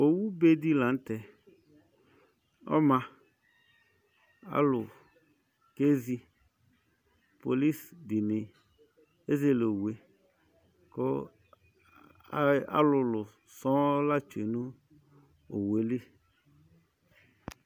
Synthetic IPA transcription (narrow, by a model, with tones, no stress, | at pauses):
o˨wu˦be˦di˦lã˨˦n˦t̪ɛ˨ | ɔ̰˦mã˨ | a̰˦lʊ˨ | ke˦zi˧ | po˨li˦sdi˨ni˨ | e˦ze˦lo˨wu˨e˨ | ko˦ | a̰˦lʊ˨lʊ˨ | sɔ̃˦la˦t͡ʃe˨nũ˦ | o̰˨we˨˦le˦